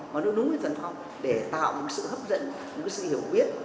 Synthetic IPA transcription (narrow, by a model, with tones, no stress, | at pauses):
maː˨˩ɨ˦˥ɗʊ˨˦ŋ͡mə˨˩zə˨˩nfa˧wŋ͡m | ɗe˧˩t̪a̰ː˧˨wɲɨ̰˧˥ksɨ̰˧˨həː˦˥p̚zə̰˧˨n | ɲɨ̰˧˥ŋka˨˦jsɨ̰˧˨hi˧˩əwɓi˦˥ət̚